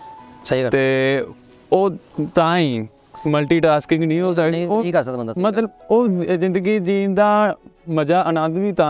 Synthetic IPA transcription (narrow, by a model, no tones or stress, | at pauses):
sɐɦikɾt̪eː | oːt̪ãːĩː | məlʈiːʈaːskɪ̃ŋɡnĩːoːsaikaːsãt̪bənd̪amɐt̪ləboːzɪ̃nd̪əɡid͡ʒiːnd̪aːmɐd͡ʒaːʔɐnãːd̪bʱit̪ãː